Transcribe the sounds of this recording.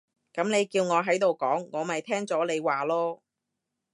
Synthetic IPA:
kɐ˨˥mne˨˧jkiː˧wŋɔː˨˧ɦɐ˨˥jt̪o˨˩wkɔː˨˥ŋːɔː˨˧mɐ˨jt̪ʰɛː˥ŋt͡sɔː˨˥le˨˧jwaː˨˩lɔː˥

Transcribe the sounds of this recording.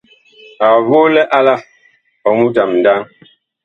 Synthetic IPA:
a˨vo˦lɛ˦ʔa˦la˦ | ɔ˨mu˦ta˨mn̩˨daː˦ŋ

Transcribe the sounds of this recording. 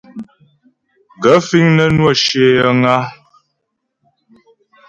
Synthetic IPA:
ɡə˨˦fi˦ŋnə˦nwɔ˦˨ʃe˦jə˦ŋa˦

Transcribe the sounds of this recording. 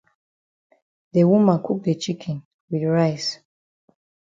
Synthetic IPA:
de˨wu˦mã˨nku˦k̚de˨t͡ʃi˦kʰɛ˨n | wi˨ɹa˦ɪs

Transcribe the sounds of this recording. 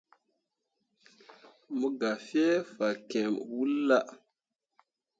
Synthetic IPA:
mu˦ɡa˨fi˦e˦fa˨ke˨mwu˦lːa˦ʔ

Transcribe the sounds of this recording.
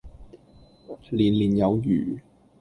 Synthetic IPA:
liː˨˩nliː˨˩njɐ˨˧wjy̰ː˨˩

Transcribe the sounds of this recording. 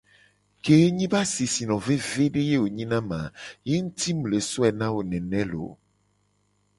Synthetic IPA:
ke˨e˦ɲĩ˦ba˦si˨si˨nɔ̃˨ve˦ve˦ɖe˦je˦wo˨ɲĩ˦nã˦mã˨je˦ŋu˦t̪i˦m˨le˨sɔ˦ɛ˨nã˦wo˨nɛ̃˨nɛ̃˦lo̰˨

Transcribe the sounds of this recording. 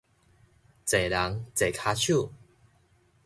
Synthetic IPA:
t͡se˨˩la˨˦ŋt͡se˨˩kʰa˧t͡ɕʰu˥˨

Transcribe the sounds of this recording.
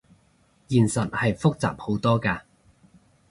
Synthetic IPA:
jiː˨nsɐ˨t̚hɐ˨jfʊ˥k̚t͡sa̰ː˨p̚ho˨˥wt̪ɔː˥kaː˧

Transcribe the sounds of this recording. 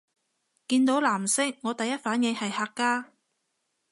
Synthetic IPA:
kiː˧nt̪o˨˥wlaː˨˩msɪ˥ŋ̚ŋːɔː˨˧t̪ɐ˨jːɐ˥t̚faː˨˥njɪ˨˧ŋhɐ˨jhaː˧kkːaː˥

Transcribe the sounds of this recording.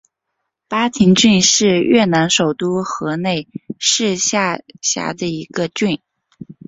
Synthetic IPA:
pa˥t̪ʰi˧˥ŋt͡ɕy˥˧nʂɻ̩˥˧ɥɛ˥˩na˧˥nʂo˨˩ʊt̪u˥xɤ˧˥ne˥˩ɪʂɻ̩˥˧ɕja˥˩ɕja̰˧˥d̪ə˧i˧˥ɡə˧t͡ɕy˥˩n

